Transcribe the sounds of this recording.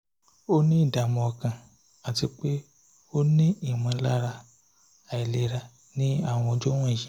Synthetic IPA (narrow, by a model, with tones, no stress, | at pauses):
o˦nĩ˦i˦˨da˨mɔ̃˧ɔ˧kã˨ | a˨ti˧k͡pe˦ | o˦nĩ˦i˨mã˧la˦ɾa˧ | a˨i˨le˧ɾa˧ | nĩ˦a˦˨w̃ɔ̃˧ɔ˧d͡ʒo˦w̃ɔ̃˦˨jĩ˨